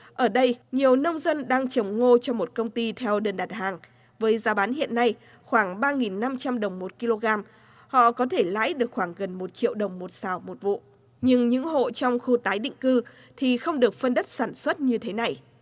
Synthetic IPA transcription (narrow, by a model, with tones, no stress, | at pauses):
ʔəː˧˩ɗə˧jɲi˨˩əwnə˧wŋ͡mzə˧nɗaː˧ŋt͡ɕə˨˩wŋ͡mŋo˧t͡ɕɔ˧ŋ͡mmo˨˩t̚kə˧wŋ͡mt̪i˧t̪ʰɛ˧wɗə˨˩nɗaː˨˩t̚haː˨˩ŋ | vəː˨˦jzaː˨˦ɓaː˨˦nhḭ˧˨ənːa˧j | xwaː˧˩ŋɓaː˧ŋi˨˩nːa˧mt͡ɕa˧mɗə˨˩wŋ͡mmo˨˩t̚ki˧lo˧ɣaː˧m | hɔ̰˧˨kɔ˨˦t̪ʰe˧˩la̰ː˧˥jɗɨ˨˩ək̚xwaː˧˩ŋɣə˨˩nmo˨˩t̚t͡ɕḭ˧˨əwɗə˨˩wŋ͡mmo˨˩t̚saː˨˩wmo˨˩t̚vṵ˧˨ | ɲɨ˧ŋɲɨ̰˧˥ŋɦo̰˧˨t͡ɕɔ˧wŋ͡mxu˧t̪aː˨˦jɗḭ̈˧˨ŋ̟kɨ˧ | t̪ʰi˨˩xə˧wŋ͡mɗɨ˨˩ək̚fə˧nɗə˦˥t̚saː˧˩nswə˦˥t̚ɲɨ˧t̪ʰe˨˦na˨˩j